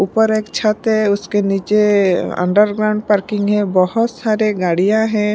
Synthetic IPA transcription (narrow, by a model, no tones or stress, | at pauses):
upəɾeːkt͡ʃʰət̪ɦɛʊskeniːt͡ʃeə̰̃ɳɖəɾɡɾaʊ̃ɳɖ̚paɾkɪ̃ŋɡɦɛ̃bɔhʊt̪saːɾeɡaːɽijãɦɛ̃